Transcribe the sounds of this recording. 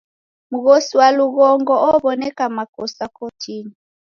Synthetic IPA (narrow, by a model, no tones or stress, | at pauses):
muɣɔsiwaluɣɔŋɡɔʔɔβɔnɛkamakɔsakɔtʰini